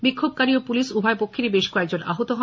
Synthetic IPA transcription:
bikʰːob̚kaɾiopuliʃubʱaepokʰːeɾibeʃkɔek̚d͡ʑona̰ɦot̪oɦɔ

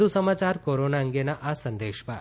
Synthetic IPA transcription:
usəmat͡ʃaɾkoɾonaəŋɡenaʔasə̃nd̪eʃpa̰

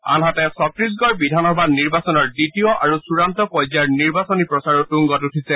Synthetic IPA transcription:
a̰nɦatɛsɔtɹis̬ɡɔɹbidʱanɔbadniɹbasɔnɔɹditiɔʔaɹusuɹantɔpɔjzaɹniɹbasɔnipɹɔsaɹɔtuŋɡɔtutʰisɛ

